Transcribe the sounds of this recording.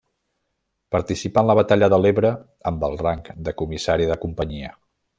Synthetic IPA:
pəɾt̪isipanləβət̪aʎəðəleβɾə | əmbəlˠraŋkd̪əkumisaɾiðəkumpəɲiə

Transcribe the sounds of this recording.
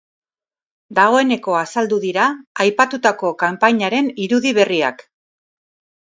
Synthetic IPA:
d̪aɣo̞e̞ne̞ko̞asald̪uðiɾaːjpat̪ut̪ako̞kampaɲaɾe̞niɾuðiβ̞e̞ria̰k

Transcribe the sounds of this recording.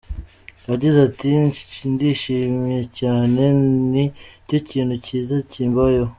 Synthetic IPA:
aɟizatindiʃiːmije̞caːne̞nico̞ciːnhuciːzaciːmbajo

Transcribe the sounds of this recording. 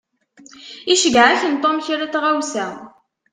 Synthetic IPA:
iʃəɡʕæçənt̪ˤːomçaɾat͡sʁawsæ

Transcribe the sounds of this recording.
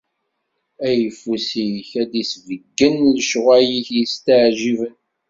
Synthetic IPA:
æjəfusiçæd̪isvəɡːənləʃʁæjiθjəst̪əʕʒivən

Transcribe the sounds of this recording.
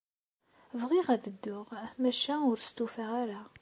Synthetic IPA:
vʁiʁæd̪əd̪ːʊʁmæʃæʊɾst̪ufaʁaɾa

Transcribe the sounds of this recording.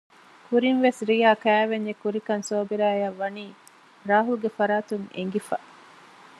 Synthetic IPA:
kuɾinʋesɾijaːkæːʋeɲd͡ʒekuɾikɐnsoːbiɾaːɐʋːɐniː | ɾaːɦulɡefɐɾaːt̪uŋḛŋɡifɐ̰

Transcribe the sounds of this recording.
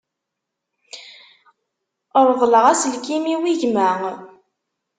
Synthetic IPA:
əɾˤðˤləʁæslkimiwiʝmæŋ

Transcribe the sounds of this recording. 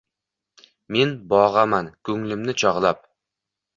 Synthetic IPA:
me̞nbɒʁamankʰɵŋlɪmnɪt͡ʃʰɒʁlˠap̚

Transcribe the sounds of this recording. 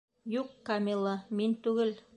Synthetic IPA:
juqːɑmʲilˠɤmint̪ʉɡɘl

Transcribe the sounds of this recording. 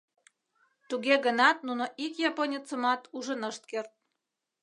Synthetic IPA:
t̪uɣeɣənɑt̪̚nunoʔikjɑponʲit͡səmɑt̪uʒənəʃt̪̚kert̪̚

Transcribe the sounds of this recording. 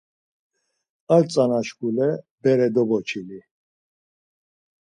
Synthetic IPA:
alt͡sʼanaʃkulɛ | bɛɾɛd̪ɔbɔt͡ʃʰili

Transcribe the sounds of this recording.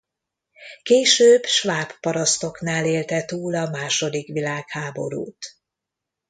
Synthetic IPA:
keːʃøːbʃʋaːpːɒɾɒst̪o̞knaːleːlt̪ɛt̪uːlɒmaːʃo̞d̪ikʋilaːkhaːbo̞̰ɾṵːt̪

